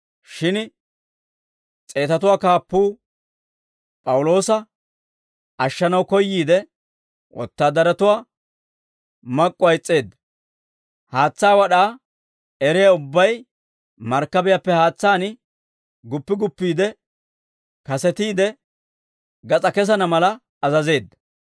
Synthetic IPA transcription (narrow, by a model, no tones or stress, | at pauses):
ʃɪn | t͡sʼe̞ːt̪ɐt̪ʊwaːkaːpːuː | pʼɐwʊlo̞ːsɐ | ʔɐʃːɐnɐwkɔjːiːd̪ɛ | wʔɔ̰t̪ːaːd̪ɐɾɐt̪ʊwaː | mɐkʼːʊwɐjt͡sʼːe̞ːd̪ːɐ | haːt͡sːaːwɐɗaː | ɛɾɛjɐʊbːɐj | mɐɾkːɐbɪjɐpːɛhaːt͡sːaːn | ɡʊpːɪɡʊpːiːd̪ɛ | kɐsɛt̪iːd̪ɛ | ɡɐt͡sʼɐkɛs̬ɐnɐmɐlɐː | zɐze̞ːd̪ːɐ̥